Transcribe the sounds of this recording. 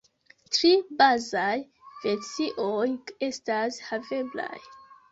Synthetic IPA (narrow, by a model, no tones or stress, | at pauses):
tɾibazaj | vet͡siʔoje̞stashave̞bla̰j